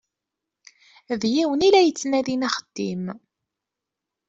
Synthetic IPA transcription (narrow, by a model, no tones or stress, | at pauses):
ðjiwənilæjət͡sːnæðinæχəd̪̥ːim